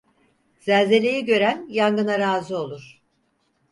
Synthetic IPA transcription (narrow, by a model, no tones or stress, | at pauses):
z̥ælʲze̞lʲe̞jɛɟø̞ɾænjaŋɡɯnaɾaːzɯo̞lˠuɾ̥